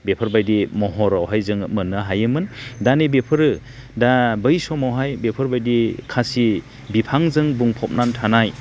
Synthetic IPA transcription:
bepʰɯɾbajdimɔɦɔɾawɦajzɯŋmɯnɯɦajɯmɯndanebepʰɯɾɯ | dabɯjsɔmawɦajbepʰɯɾbajdikʰasi | bipʰaŋzɯŋbuŋpʰɔp̚nantʰanaj

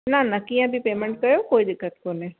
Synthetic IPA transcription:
nanɐkijãbʱipeːmə̃ɳʈ̚kɐjokoːid̪ɪkːət̪̚kone

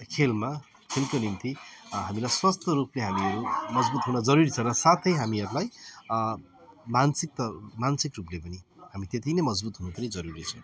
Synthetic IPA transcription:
kʰelma | kʰelkonimt̪iɦamilajswʌst̪ʌɾupleɦamiʌɾumʌd͡zbut̪ɦunʌd͡zʌɾuɾit͡sʰʌɾʌsat̪ʰʌjɦamiʌɾulaj | mansik̚t̪ʌmansikruplepʌnihamit̪et̪inʌmʌd͡zbut̪ɦunot̪ʌnid͡zʌɾuɾit͡sʰʌ̃

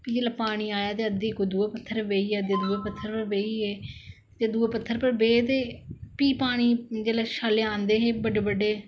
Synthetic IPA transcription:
pid͡ʒeːlaːpaːɽ̃iːaːjaːt̪eːəd̪eːkːoːd̪ueːpət̪ʰːəɾʋeːiːɛːd̪eːd̪uːeːpət̪ʰːəɾpəɾʋeːiːeː | t̪eːd̪uːeːpət̪ʰːəɾpəɾbeːt̪eːpiːpaːɽ̃iːd͡ʒeːlaːʃaːleãːnd̪eːɦeːbəɖeːbəɖeː

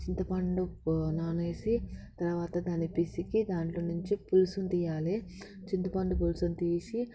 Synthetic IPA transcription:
t͡ʃint̪ɐpɐɳɖunaːneːsit̪ɐɾʋaːt̪ɐd̪aːnipisikid̪aːɳʈloːnuɲt͡ʃipulusunt̪iːjaːle | t͡ʃint̪ɐpɐɳɖupulsunt̪iːsi

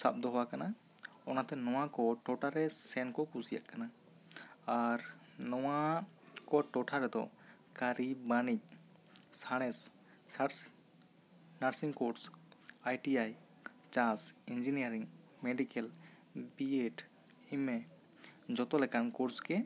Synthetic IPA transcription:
sa̰p̚d̪ɔɦɔwakana | ɔnat̪ɛnɔw̃akɔʈɔʈaɾɛsɛnkɔkusija̰ʔkana | aɾ | nɔwa | kɔʈɔʈʰaɾɛd̪ɔ̰ | kaɾibanic̚ | saɽ̃ɛs | sas | naɾsiŋkɔɾsajʈiaj | t͡ʃãsind͡ʒinijaɾiŋ | mɛɖikɛl | bieʈ | imɛ | d͡ʒɔt̪ɔlɛkankɔɾskɛ

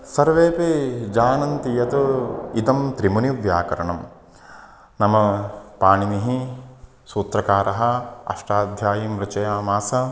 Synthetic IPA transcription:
sɐɾʋeːped͡ʒaːnɐnt̪ijɐt̪uit̪ɐmt̪ɾimuniʋjaːkɐɾɐɳɐm | nɐmɐpaːɳiniɦi | suːt̪ɾɐkaːɾɐɦɐ̆ɐ̰ʂʈaːd̪ʱjaːjimɾɐt͡ʃɐjaːmaːsɐ

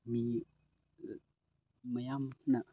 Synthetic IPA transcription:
mi | məjamnaʔ

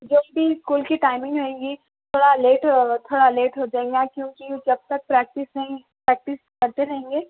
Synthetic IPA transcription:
d͡ʒoːbbʱiskuːlkiʈaːɪmɪ̃ŋɡɦoẽːŋɡi | tt̪ʰoːɽaleːʈt̪ʰoːɽaleːʈɦod͡ʒaːẽːŋɡakjõːkid͡ʒɐb̚t̪ɐk̚pɾɛːk̚ʈɪs | pɾɛːk̚ʈɪskɐɾt̪eɾɐɦẽːŋɡeː

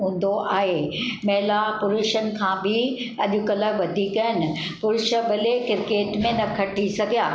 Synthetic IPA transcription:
ɦũːn̆d̪oʔaːɦemɛɦlapʊlʊʃənɪ̆kʰãːbʱɪ | ɐʄʊkɐlə̆ʋɐd̪ʱikɐənɪ̆ | pʊɾʊʃəɓɐlekɪɾkeːʈmẽnɐkʰɐʈisɐɡʱijaː

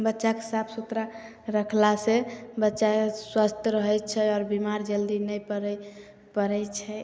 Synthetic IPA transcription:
bətːʃakesabʰsut̪ɾa | ɾəkʰlasebətːʃaeswast̪ʰjəɾəɦɛt͡ʃʰɛɔːɾbimaɾd͡ʒəld̪inɛjpəɾɛ | pəɾɛt͡ʃʰɛ

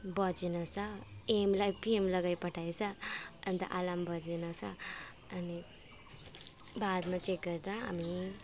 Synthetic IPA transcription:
bʌd͡zenʌsʰʌemlajpiemlʌɡajpʌʈʰajt͡sʰʌʌnt̪ʌ̰ʔalambʌd͡zenʌt͡sʰʌː | ni | bad̪mat͡ʃek̚ɡʌɾd̪aa̰mi

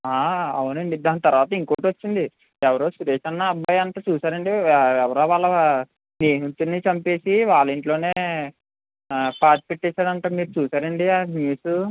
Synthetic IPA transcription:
aːɐwunɐnid̪aːnit̪ɐɾʋaːt̪ɐiŋkoːʈot͡ʃːind̪i | ɛʋɐɾo̞ːsuɾeːʂɐnːɐːbaːjɐnt̪aːt͡ʃuːsaːɾɐɳɖiɛʋɐɾo̞ːʋaːɭːɐ | neːɦunt̪inːit͡ʃɐmpe̞ːsiʋaːɭːɐiɳʈlo̞ːne̞ː | paːt̪i̥peʈːɛːsaːɽɐɳʈaːmiːɾut͡ʃuːsaːɾɐɳɖianjuːsu

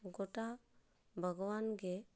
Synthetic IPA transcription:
ɡoʈa | bʱəɡɔwanɡe

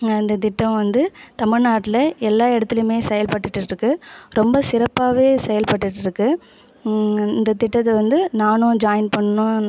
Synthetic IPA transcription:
ɪnd̪ɐt̪ɪʈːɐ̃mʋɐnd̪ɯt̪ɐmɪɻnaːʈːɪlɐɛlːaːɪɽɐt̪ːɪlɯmeːsɛjɐlpɐʈːɯʈːɪʈɾɯkːɯɾɔmbɐsɪɾɐpːaːʋeːsɛjɐlpɐʈːɯʈːɪɾɯkːɯ | ɪnd̪ɐt̪ɪʈːɐt̪ːɐʋɐnd̪ɯnaːnõd͡ʒaːjɐnpɐɳːɐnõː

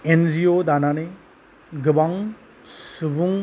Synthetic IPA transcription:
end͡ʒiod̪anane | ɡɯbaŋ | subuŋ

